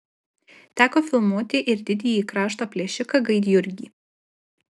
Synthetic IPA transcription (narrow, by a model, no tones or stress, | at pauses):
t̪ʲæːkoːfʲɪlˠmuɔt̪ʲɪʔɪɾd̪ʲɪd̪ʲiːjiːkɾɑːʃt̪oːpʲlʲɛʃʲɪkɐɡɐɪd̪ʲjʊɾʲɡʲiː